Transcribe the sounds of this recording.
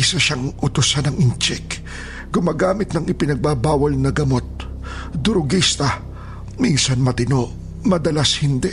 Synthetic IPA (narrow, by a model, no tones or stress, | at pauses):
ʔsɐʃaŋʔʊt̪ʊsanɐŋɪnt͡ʃɛk | ɡʊmaːɡaːmɪt̪̚nɐŋɪpɪnɐɡ̚babaːwɐlnɐɡɐmo̞t̪̚ | d̪ʊɾʊɡist̪ɐ | minsɐnmɐt̪ɪno̞ʔ | mɐd̪ɐlashɪnd̪ɛ